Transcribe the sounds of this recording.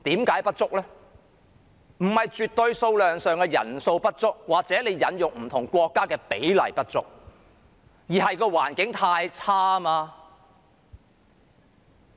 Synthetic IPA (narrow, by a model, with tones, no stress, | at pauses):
t̪iː˨˥mkaː˨˥jpɐ˥t̚t͡sʊ˥k̚lɛ˥ | m̩˨˩hɐ˨jt͡syː˨t̪ːɵ˧ɥso˧wlœː˨˩ŋsœː˨˩ŋkɛː˧jɐ̰˨˩nso˧wpɐ˥t̚t͡sʊ˥k̚waː˨k̚t͡sɛː˨˥ne˨˧jjːɐ˨˥njʊ˨ŋm̩˨˩t̪ʰʊ˨˩ŋkʷɔː˧kːaː˥kɛː˧pe˨˥jlɐ̰˨˩jpɐ˥t̚t͡sʊ˥k̚ | jiː˨˩ɦɐ˨jkɔː˧waː˨˩nkɪ˨˥ŋt̪ʰaː˧jt͡sʰaː˥maː˧